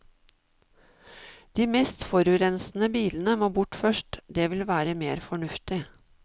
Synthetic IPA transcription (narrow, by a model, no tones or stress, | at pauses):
d̪̥iːmɛːst̪fɔɾʉɾɛnsn̩əbiːln̩əmoːbʊʈfœʃʈd̪eːʋɪlʋæːɾəmḛːɾfɔɳʉft̪ɪ